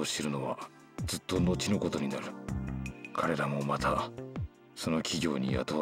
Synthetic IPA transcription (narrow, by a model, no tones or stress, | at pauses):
oɕeɾɯ̟no̞βa | d͡zɨt̪ːo̞no̞t͡ɕino̞ko̞t̪o̞ɲ̟inaɾɯ̟ | kʰaɾe̞ɾamo̞mat̪a | so̞no̞kʲiɡʲo̞̰ːɲ̟ḭja̰t̪o